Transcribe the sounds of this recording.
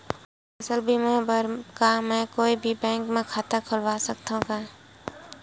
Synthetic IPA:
ɐsəlbʱimɛ̃bəɾkamɛ̃koːibʱibɛ̃ːŋkmẽkʰaːt̪akʰʊlʋasək̚t̪õka

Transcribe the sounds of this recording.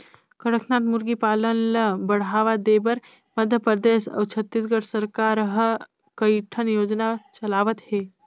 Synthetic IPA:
kəɽəkʰnãt̪muɾɡipaːlənləbəɽ̤aːʋad̪ebəɾ | məd̪ʱjəpəd̪eːsɐ̰wt͡ʃʰət̪ːisɡəʈʰsəɾkaɾɦə | kəjʈʰənjoːd͡ʒnat͡ʃɐlaːʋət̪heː

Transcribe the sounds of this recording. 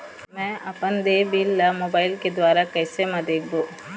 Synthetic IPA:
mɛ̃ːʔɐpənd̪eːbiːlːamoːbaːɪlked̪waːɾakɛːsemɐd̪eːk̚ʰd̪oː

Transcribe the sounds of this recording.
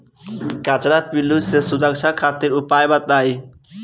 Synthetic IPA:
kat͡ʃɾapilusesud̪akʃʰakʰat̪iɾupajbat̪aj

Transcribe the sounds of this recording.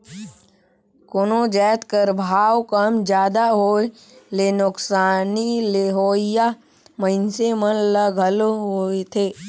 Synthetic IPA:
koːnod͡ʒɛːt̪kəɾbʱaːwkəmd͡ʒjaːd̪aɦoːe | lenʊksaːnileɦoːɪja | məɪnsemənləɡʱəlɦoet̪ʰeː

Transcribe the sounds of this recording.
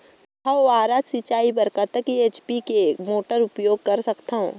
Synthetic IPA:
hɐaːɾaːt̪sit͡ʃaːibɐɾkat̪əkieːt͡ʃpikemoːʈəɾʊpjoːɡ̚kɐɾsɐkt̪aɦõ̰ː

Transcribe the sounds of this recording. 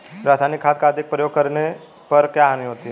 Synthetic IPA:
ɾasanikʰːaːt̪̚kʰad̪ik̚pɾəjoɡ̚kəɾne | pəɾkjaaniɦot̪iɦe

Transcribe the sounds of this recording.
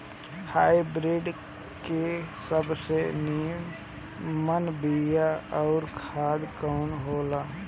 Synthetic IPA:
haːibɾiɖ | kesəbsenijəm | mənbijaɔːɾkʰaːd̪kɔːnɦoːlaː

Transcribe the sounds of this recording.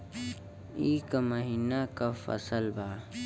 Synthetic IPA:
iːkamɐɦinakafɐ̰səlbaː

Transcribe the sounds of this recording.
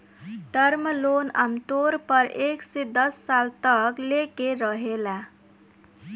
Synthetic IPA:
d̪ʌɾməlona̰mt̪oɾpʌɾeksed̪ʌsːalt̪ʌklekeɾʌɦela

